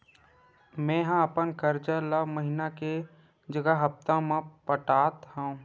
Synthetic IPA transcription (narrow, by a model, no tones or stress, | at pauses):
mɛ̃ːɦãəpənkəɾt͡ʃələbʱməɦinake | d͡ʒəɡəɦəpt̪ãmãpəʈaːt̪ɦaũ